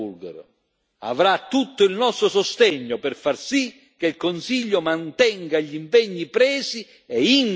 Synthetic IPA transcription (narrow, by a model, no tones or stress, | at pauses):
ulɡɛ̰ɾ | a̰vɾat̪ːut̪ːʊilnɔst̪ɾosost̪ɛɲːopɛrfarsi | k̟ːeilkʊnsiʎːʊmant̪ɛŋɡaʎimpɛɲːipɾɛːsi | ɛiŋ